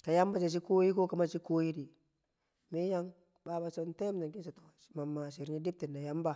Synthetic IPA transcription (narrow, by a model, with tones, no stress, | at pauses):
ka˨ja˦mba˦t͡ʃe˨s̬i˦ko˦ji˦ko˦ka˨˦ma˦t͡ʃi˦ko˦ji˦di˨ | mi˦ja˦ŋ | ba˨˦ba˨so˦nte˦m˦d͡ʒa˨ŋki˦nsa˨to˨ma˨mːa˨ʃi˨ɾɲi˦di˦p̚ti˨nːa˨ja˦mba˨